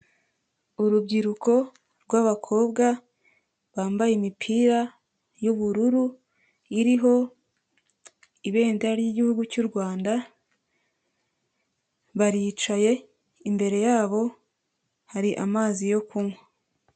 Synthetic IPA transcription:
uɾubɟiɾuko̞ | ɾɡwaːβakʰo̞ːbɡa | βaːmbajemipʰiːɾa | juβuɾuɾu | iɾiɦo̞ | iβe̞ːndeɾaɾjiɟihuɡucuɾɡwaːnda | βaɾit͡ʃaje̞ | imbe̞ɾe̞jaːβo̞ | haɾiʔa̰maːzijo̞kʰumwe

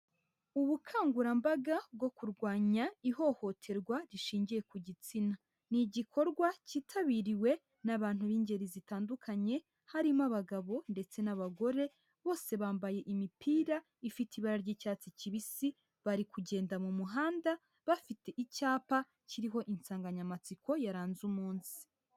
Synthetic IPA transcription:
uβukʰaːŋɡuɾambaɡabɡo̞kuɾɡwaːɲaiho̞ho̞tʰe̞ɾɡwaɾiʃiːɲɟije̞kuɟit͡sina | niɟikʰo̞ɾɡwaciːtʰaβiɾiwe̞ | naβaːn̥huβiːɲɟe̞ɾizitaːndukʰaɲe̞ | haɾimaβaɡaβo̞nde̞t͡se̞naβaɡo̞ɾe̞ | βo̞ːse̞βaːmbaje̞ʔimipʰiːɾa | ifitiβaɾaɾɟiːcaːt͡siciβisi | βaɾikuɟe̞ːndamumuɦaːnda | βafite̞ʔicaːpa | ciɾiɦo̞ʔinsaːŋɡaɲamat͡siko̞jaɾaːnzumuːnsi̥

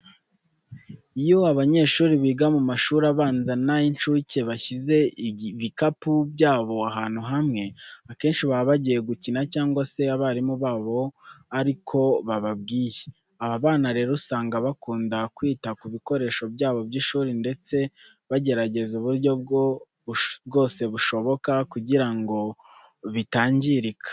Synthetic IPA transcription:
ijo̞aβaɲe̞ːʃuːɾiβiːɡamumaʃuɾaβaːnzanajinʃuce̞βaçize̞βikapubɟaːβo̞aɦaːn̥huɦamŋe̞ake̞ːnʃiβaβaɟije̞ɡucinacaːŋɡwase̞aβaɾimuβaːβo̞aɾikʰo̞βaβab̚ɡiːje | aβaβaːnaɾe̞ːɾosaːŋɡaβakuːndakwiːtakuβiko̞ɾe̞ːʃo̞bjaːβo̞bɟiːʃuːɾinde̞t͡se̞ | βaɟe̞ɾaɟe̞zuβuɾjo̞bɡ | bɡo̞ːse̞βuʃo̞βo̞kakuɟiɾaŋɡo̞ | βitaːɲɟiɾikḁ

